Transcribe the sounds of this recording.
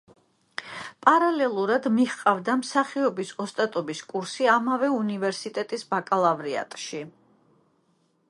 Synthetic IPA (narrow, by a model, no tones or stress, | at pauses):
pʼaɾalɛlˠuɾad̪miχqʼavd̪amsaχiɔbisɔst̪ʼat̪ʼɔbiskʼuɾsiamavɛunivɛɾsit̪ʼɛt̪ʼisbakʼalˠavɾia̰t̪ʼʃi